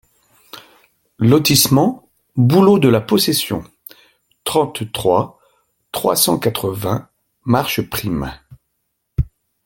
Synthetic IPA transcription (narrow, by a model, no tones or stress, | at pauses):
lɔt̪ismɑ̃ | bulod̪əlapɔsesjɔ̰̃ | t̪χɑ̃t̪t̪χwa | t̪χwa̰sɑ̰̃kat̪χəvɛ̃ | maʁʃəpχim